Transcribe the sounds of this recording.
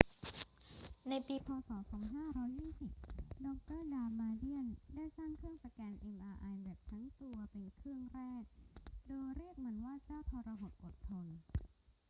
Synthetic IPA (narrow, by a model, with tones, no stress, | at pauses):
na˧jpiː˧pʰɔː˧sɔː˩˦sɔː˩˦ŋɦaː˥˩ɾɔː˦˥jjiː˥˩si˨˩p̚dɔː˧˥k̚t̪ɤː˥˩daː˧maː˧di˥˩əndaː˥˩jsaː˥˩ŋkʰɾɯ˥˩əŋsa˧kɛː˧nʔe˧mʔaː˧ʔa˧jbɛː˨˩p̚t̪ʰa˦˥ŋt̪u˧ɐpe˧nkʰɾɯ˥˩əŋɾɛː˥˩k̚doː˧jɾi˥˩ək̚ma˩˧˦nwaː˥˩t͡ɕaː˥˩wt̪ʰɔː˧ɾa˧ɦo˨˩t̪̚ʔo˨˩t̪ʰːo˧n